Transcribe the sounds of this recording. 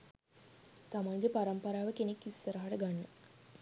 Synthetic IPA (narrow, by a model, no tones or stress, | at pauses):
t̪amaŋɡepaɾəmpəɾaːʋəkenekːisːəɾəɦaʈəɡanːə